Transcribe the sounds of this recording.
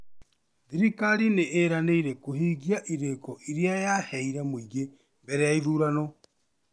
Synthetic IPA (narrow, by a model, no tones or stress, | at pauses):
ðiɾikaɾineʔːɾaneiɾɛkohiːɡiaʔiɾekɔiɾiajahɛiɾɛmoiɡe | mbɛɾɛjaiðuːɾanɔ